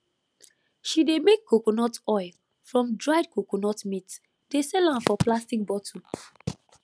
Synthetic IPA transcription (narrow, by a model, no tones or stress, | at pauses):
ʃidemekʰːokonɔtɔɪl | fɹɔ̃mdɹaɪd̚kokonɔtmit | desɛlãmfɔplastik̚bɔtʰũ